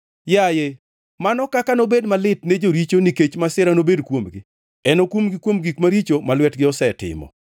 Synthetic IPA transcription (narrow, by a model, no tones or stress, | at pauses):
jaje | manɔkakanobedmalɪtned͡ʒoɾit͡ʃoniket͡ʃmasɪɾanobedkwomɡɪ | ɛnokwomɡɪkwomɡikmaɾit͡ʃomalwɛtɡɪɔsɛtɪ̰mɔ̰